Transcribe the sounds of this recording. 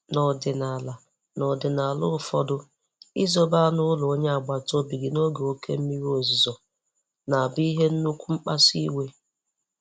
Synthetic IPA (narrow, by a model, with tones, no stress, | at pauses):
nɔ˨dɪ˨na˨la˨ | nɔ˨dɪ˨na˨lʊ̰˦fɔ̰˦dʊ˦ | i˦zo˦ba˦nʊ˦lʊ˨o˦ɲe˦a˨ɡ͡ba˨to˦bi˨ɡi˨no˦ɡe˨o˦kḛ˦m̩˦mi˦ɾi˦o˨zi˨zɔ˨ | na˨a˨bi˦i˦ɦe˦n̩˦nu˦kʷu˦ŋ͡m̩˦k͡pa˦si˦we˦